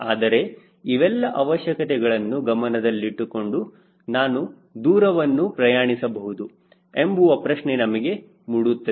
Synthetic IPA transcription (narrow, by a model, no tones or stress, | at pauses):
aːd̪ɐɾe̞ | iʋɛlːɐʔɐʋɐʃjɐkɐt̪ɛɡɐɭɐnːuɡɐmɐnɐd̪ɐlːiʈːuko̞ɳɖu | naːnu | d̪uːɾɐʋɐnːupɾɐjaːɳisɐbɐɦud̪u | embuʋɐpɾɐʂɳenɐmɐɡe̞ | muːɽut̪ːɐ